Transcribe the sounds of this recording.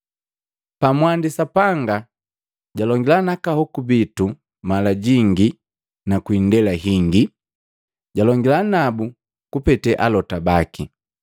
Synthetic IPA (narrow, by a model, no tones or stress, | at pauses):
pamwandisapaŋɡa | ɟalɔŋɡilanakahɔkubitu | malaɟiŋɡi | nakwindɛlaɦiŋɡi | ɟalɔŋɡilanabu | kupɛtɛʔalɔtabaki